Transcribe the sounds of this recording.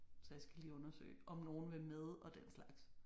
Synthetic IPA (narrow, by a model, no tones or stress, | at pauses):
sɒ̽jäɪsɡ̥æliːɔ̽nɐsø̰ɪʔɒ̽mno̝ːn̩ʋe̝meðˠɒ̽d̥en̰slɑ̈ɡ̥s